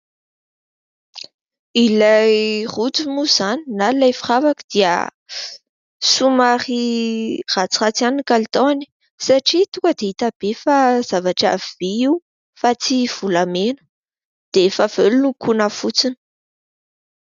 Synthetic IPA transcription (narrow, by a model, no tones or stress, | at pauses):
ilajrut͡simuz̥aninalajfiravakə̥d̪̥iə̰ | sumaɾi | rat͡siat͡sianikalit̪oani̥ | saʈ͡ʂit̪ukəd̪eit̪ab̥efaz̥avaʈ͡ʂa̰vv̥eiw | fat͡siv̥ulamenə̥ | d̪̥efav̥elunukʰunafut͡sini̥